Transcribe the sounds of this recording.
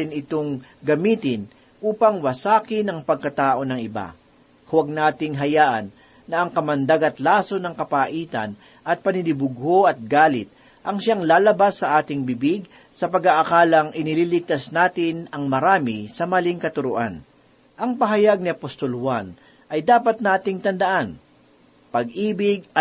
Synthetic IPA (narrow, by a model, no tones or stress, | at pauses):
ɪnɪt̪oŋɡɐmiːt̪ɪn | ʔuːpɐŋwɐsaːkɪnɐŋpɐɡ̚kɐt̪aːʔo̞nɐŋɪba̰ | hʊwɐɡ̚naːt̪ɪŋɦɐjaːʔɐ̰nː | ɐʔɐŋkɐmɐnd̪aɡɐt̪laːso̞nɐŋkɐpaːʔiːt̪ɐ̰n | ʔɐt̪̚pɐnɪlɪbʊɡhoʔɐt̪̚ɡaːlɪt̪̚ | ʔɐŋʃaŋlaːlɐbasːɐʔaːt̪ɪŋbɪbɪɡ̚ | sɐpɐɡaʔɐkaːlɐŋʔɪnɪlilɪɡ̚t̪ɐsnaːt̪ɪnɐŋmɐɾaːmɪsɐmɐlɪŋkɐt̪ʊɾʊʔan | ʔɐŋpɐɦɐjaɡ̚nɪɐpost̪o̞lhwan | ʔɐjd̪aːpɐt̪̚naːt̪ɪŋt̪ɐnd̪ɐʔan | pɐɡʔiːbɪɡ̚ɐ